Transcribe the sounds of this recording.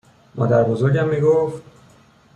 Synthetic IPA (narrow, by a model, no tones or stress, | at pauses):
mʔɒ̰ːd̪æɾbo̞zoɾɟæmːiːɡoft̪